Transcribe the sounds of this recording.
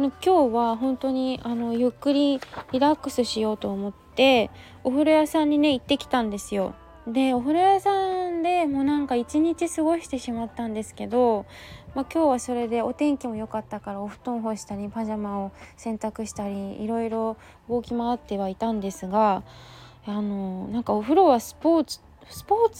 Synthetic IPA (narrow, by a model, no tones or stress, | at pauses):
no̞kʲo̞ːβaɦõ̞nt̪o̞ɲ̟iano̞jɯ̟kːɯ̟ɾʲiɾʲiɾakːɯ̟̥sɨɕijo̞ːt̪o̞ːmo̞t̪ːe̞ | o̞ɸɯ̟ɾojasãɲ̟ːine̞it̪ːe̞kʲi̥t̪ãnd̪e̞sɨjo̞ | d̪e̞o̞ɸɯ̟ɾojasãnd̪e̞mo̞ːnãŋkait͡ɕiɲ̟it͡ɕisɨɡo̞ɕi̥t̪e̞ɕimat̪ːãnd̪e̞sɨ̥ke̞d̪o̞ | makʲo̞ːβaso̞ɾe̞d̪e̞o̞t̪ẽ̞ŋkʲimo̞jo̞kat̪ːakaɾao̞ɸɯ̟̥t̪õ̞ɰ̃ɦo̞ɕi̥t̪aɾʲipaʑamão̞sẽ̞nt̪akɯ̟ɕi̥t̪aɾʲiḭɾo̞iɾo̞ | ɯ̟ɡo̞kʲimaat̪ːe̞βait̪ãnd̪e̞sɨɡa | ano̞nãŋkaoɸɯ̟ɾo̞βasɨ̥poːt͡sɨ̥ | sɨ̥po̞ːt͡s